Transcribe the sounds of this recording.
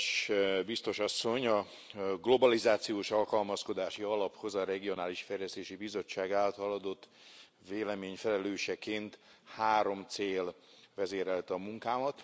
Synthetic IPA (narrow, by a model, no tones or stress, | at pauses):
ʃbist̪o̞ʃɒsːo̞ɲɒ | ɡlo̞bɒlizaːt̪sijoːʃɒlkɒlmɒsko̞d̪aːʃiɒlɒpho̞zɒɾɛɡio̞naːliʃfɛrlɛst̪eːʃibizo̞t͡ʃːaːɡaːlt̪hɒlɒd̪o̞t̪ː | veːlɛmeːɲfɛlɛløːʃɛkeːnt̪haːɾo̞mt̪seːlʋɛzeːɾɛlt̪ɒmuŋkaːmɒt̪